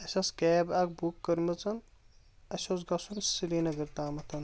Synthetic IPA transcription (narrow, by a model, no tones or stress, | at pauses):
ɐsʲɐskɛːbɐk̚bukːɐɾmɐt͡sɐn | ɐsosɡɐsunsiliːnɐɡɐɾt̪aːmɐt̪ʰɐn